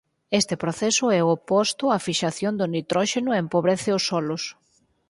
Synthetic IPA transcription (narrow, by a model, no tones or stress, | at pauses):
est̪ɪpɾoθɛsʊɛopɔst̪ʊafiʃaθjond̪ʊnit̪ɾɔʃenʊempoβɾeθɪʊsːɔlʊs